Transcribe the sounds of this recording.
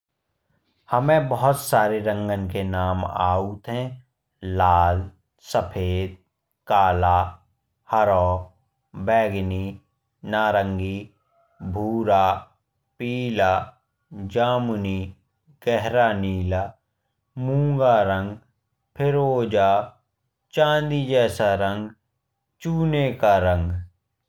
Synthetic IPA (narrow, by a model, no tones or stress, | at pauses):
həmẽbəɦʊt̪saːɾeɾə̃ŋɡənkenaːma̰ːut̪ʰɦɛ̃ | laːl | səpʰeːd̪̚ | kaːlaː | həɾɔː | bɛːɡni | naːɾə̃ŋɡi | bʱuːɾaː | piːlaː | d͡ʒaːmuniː | ɡ̥ɛɦɾaniːlaː | mũːŋɡaːɾə̃ŋɡ | pʰɪɾoːd͡ʒaː | t͡ʃãːnd̪id͡ʒɛːsaɾə̃ŋɡ | t͡ʃuːnekaɾə̃ŋɡ